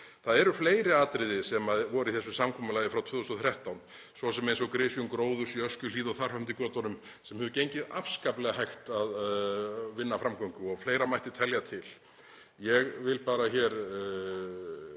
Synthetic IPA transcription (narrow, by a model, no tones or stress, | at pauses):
θaðɛɾʏfleːjɾɪaːt̪ɾɪðɪsɛmaðvɔɾʏiθɛsːʏsamkʰɔːmʏlajðɪfɾawt̪ʰvʏːðɔst̪ɔθɾɛht̪awn | svɔsɛmejns̬ɔkɾɪsjʏŋkɾoːwðʏ̥siœskcʏliːðawθar̥hœm̥t̪̬ɪkɔːt̪ɔnʏm | sɛmhɛðʏcejɲcɪða̰fskaplɛɣahajxt̪að | vɪnːafɾamkʰɔwŋkʏɔɣfleːjɾamajht̪ɪt̪ʰɛljat̪ʰɪl | jɛɣvɪlpaːɾaçɛːɾ